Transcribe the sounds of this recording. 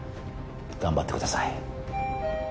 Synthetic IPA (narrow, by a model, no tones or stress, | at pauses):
kambat̪ʰːi̥kut̪asae